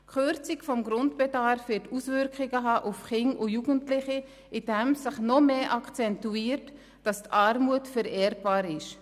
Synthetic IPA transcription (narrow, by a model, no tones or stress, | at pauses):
kʰχøɾt͡sɪkfɔmɡɾʊntb̥ɛdɑɾfʋɪtuːsvʏɾkχɪɡəɦɑːʔʊfχɪŋʔʊjuːɡəntlɪχi | ʔid̥ɛmsɪχnɔmeːʔɑkʰt͡sɛntuiːɾt | d̥ɑstʰɑɾmuətfɛɾɛːɾb̥aːɾɪʃ